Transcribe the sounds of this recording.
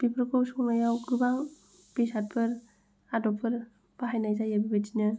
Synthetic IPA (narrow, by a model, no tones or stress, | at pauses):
b̥ipʰɾɯkʰowsuŋnajawɡɯbaŋ | bisat̚pʰɯɾ | adɔpʰɯɾ | b̥aɦajnajzajabibad͡ʒinɯ